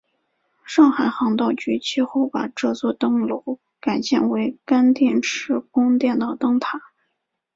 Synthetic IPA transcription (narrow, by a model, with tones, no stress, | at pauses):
ʂɑ˥˩ŋxa˨˩ɪxɑ˧˥ŋt̪ɑ˥˩ʊt͡ɕy˧˥t͡ɕi˥˧xo˥˩ʊpa˨˩ʈ͡ʂɤ˥˧t͡swɔ˥˧t̪ɤ˥˩ŋlo˧˥ʊ | ka˨˩ɪɕjɛ̰˥˩nwe˧˥ɪka˥nt̪jɛ˥˩nʈ͡ʂʰɻ̩˥˩kʊ˥ŋt̪jɛ˥˧nt̪ɑ˥˩ʊt̪ɤ˥ŋt̪ʰa˨˩˦